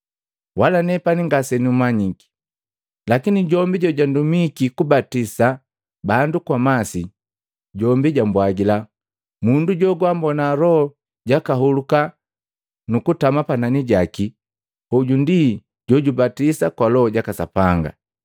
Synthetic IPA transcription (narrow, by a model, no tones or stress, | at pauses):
wʔalanɛpaniŋɡasɛniumaɲiki̥ | lakiniɟɔmbiɟɔɟandumikikubatisa | bandukwamasi | ɟɔmbiɟambwaɡila | munduɟɔɡwambɔnaɾɔhɔ | ɟakaɦuluka | nukutamapananiɟaki | huɟundi | ɟɔɟubatisakwalɔɔɟakasa̰paŋɡa̰